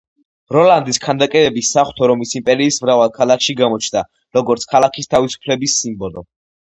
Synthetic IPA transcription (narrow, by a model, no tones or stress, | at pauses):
ɾɔland̪iskʰand̪akʼɛɾɛbisːaχwt̪ʰɔɾɔmisimpʼɛɾiːsmɾavalˠkʰalˠakʰʃiɡamɔt͡ʃʰna | ɾɔɡɔɾt̪sʰkʰalakʰist̪ʰavisu̥pʰlɛbisːimbɔlɔ̰